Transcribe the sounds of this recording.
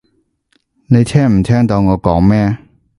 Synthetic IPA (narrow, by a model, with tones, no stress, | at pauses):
ne˨˧jt̪ʰɛː˥ŋm̩˨˩t̪ʰɛː˥ŋt̪ɔ˧ŋɔː˨˧kɔː˨˥ŋmɛː˥